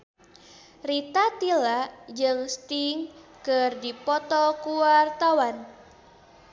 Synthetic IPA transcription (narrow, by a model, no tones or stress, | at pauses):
rit̪at̪ilaʔd͡ʒɨŋst̪iŋkɨrdipɔt̪ɔkuwart̪awan